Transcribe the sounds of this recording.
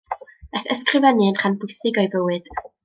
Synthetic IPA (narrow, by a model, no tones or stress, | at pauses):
b̥ɛθəskrɨvɛniənχanbʊjsɨɡɔɨbəwɨd̥